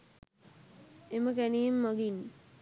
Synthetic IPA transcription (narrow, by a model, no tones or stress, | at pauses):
eməkænijemːaɡin